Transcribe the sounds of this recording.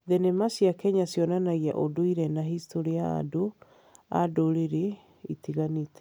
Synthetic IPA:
ðɛnemasjakɛɲasjɔnanaɣia̰ʔodoiɾɛnaɦistoɾiaa̰do | a̰doɾeɾe | itiɣanitɛ̥

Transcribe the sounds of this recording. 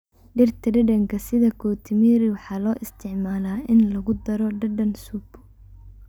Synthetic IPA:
ɖɪrt̪ʰɐɖɐɖɐŋkʰɐsɪðɐkʰɔːt̪ʰɪmiɾɪwɑħɑːlɔːʔɪst̪ʰɪʕmaːlaːʔɪnlɐɣʊd̪ɐɾɔɖɐɖɐnsʊbʊ

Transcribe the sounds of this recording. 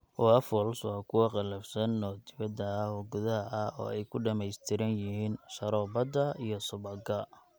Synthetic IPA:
wɔɐfɔlswɑːkʰʊwɐqɑlɐfsɐnːɔːd̪ɪβɐd̪ɐhɔɡʊðɐɐʔɐɔ̰ːɛjkʰʊɖɐmɛjst̪ʰɪɾɐnjɪɦiːnʃɐɾɔːbɐd̪ɐijɔsʊβɐɡɐ

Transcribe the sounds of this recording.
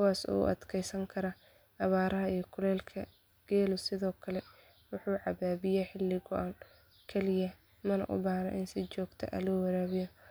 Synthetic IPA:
kʊwaːsṵːʔɐ̰d̪kʰɛjsɐŋkʰɐɾɐ | ɐβaːɾɐɦɐijɔkʰʊlɛːlkʰɐ | ɡ̥ɛːlʊsɪðɔːkʰɐlɛ | wʊħuːʕɑbaːbɪjɛħɪlːɪɡɔʔɐn | kʰɛlɪjɐ | mɐnɐ̰ʔʊ̰baːhnɐ̰ʔɪnsɪt͡ʃɔːɡt̪ʰɐ̰ʔɐ̰lɔːwɐɾaːβɪjɔ

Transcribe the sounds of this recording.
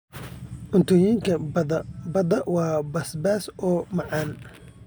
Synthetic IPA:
ʔʊnt̪ʰɔjiːŋkʰɐ | bɐd̪ɐwɑːbɐsbaːsʔɔːmɑʕɑːn

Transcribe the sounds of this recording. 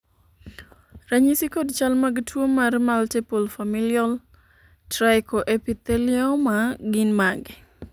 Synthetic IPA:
ɾaɲisikodt͡ʃalmaɡtʰwomarmaltɛpolfamilial | tɾaɪkoʔepit̪ɛlɪɔmaɡinmaɡɪ

